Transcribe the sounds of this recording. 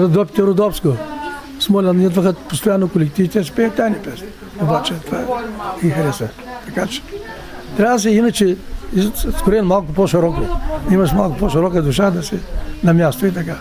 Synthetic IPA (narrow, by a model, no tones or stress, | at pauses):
ɾɐd̪ɔpʲit̪ɛɾod̪ɔfsko | smɔlʲɐnnid̪vɐxəpost̪ojanːokolʲɛk̚t̪ivit̪ɛsi̥pɛjət̪ʲajnipɛsn | obat͡ʃɛt̪ovaɛixɾɛsɛ | t̪ɐkat͡ʃɛ̥ | t̪ɾʲavd̪ɐs̬ɛinɐt͡ʃɛiskoɾɛnmalˠkʊpɔʃiɾɔkoimɐʃmalˠkʊpɔʃiɾɔkəd̪ʊʃad̪ɐsɛnɐmʲast̪oit̪ɐka